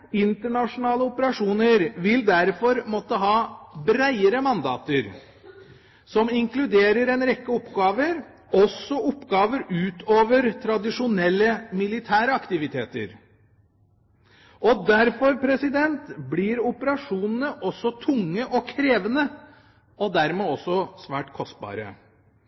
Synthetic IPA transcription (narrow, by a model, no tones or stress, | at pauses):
ɪnt̪əɳɑʂʊnɑːləʊpəɾɑʂuːnəɾʋɪld̪æɾfɔɾmɔt̪ːəɦɑːbɾæɪəɾəmɑnd̪ɑ̰ːt̪əɾ | sɔmɪŋkʰlʉd̪eːɾəɾɛnɾɛkːəɔpːɡɑːʋəɾ | ɔsːɔʔɔpːɡɑːʋəɾʉːt̪ʰoːʋəɾt̪ʰɾɑd̪ɪʂʊnɛlːəmɪlɪt̪ʰæːɾəɑkt̪ɪʋɪt̪ʰeːt̪ə̰ɾ | ɔd̪æɾfɔɾpʰɾɛsɪd̪ɛnt̪bliɾʊpəɾɑʂuːnənəʔɔsːɔt̪ʰʊŋːəʔɔkʰɾeːʋənə | ɔd̪æɾmeːɔsːɔsʋæːʈkʰɔst̪̚bɑ̰ːɾə̰